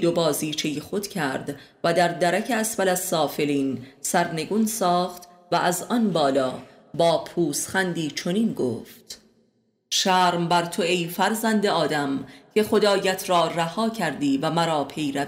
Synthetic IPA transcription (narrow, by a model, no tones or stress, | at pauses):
d̪o̞bɒːziːt͡ʃʰe̞jexo̞d̪̥cʰæɾd̪væd̪æɾd̪æɾæcʰeæsvælæzːɒːfe̞liːnsæɾne̞ɡuːnsɒːχt̪ | væʔæzɒnbɒːlɒː | bɒːpʰuːsχænd̪iːt͡ʃʰo̞niːnɡo̰ːft̪ | ʃæːɾmbæɾt̪ʰoejfæɾzænd̪eɒːd̪æmcʲʰe̞χo̞d̪ɒːjæt̪ʰɾɒːræhɒːcʰæɾd̪iːvæmæɾɒːpʰe̞jɾæ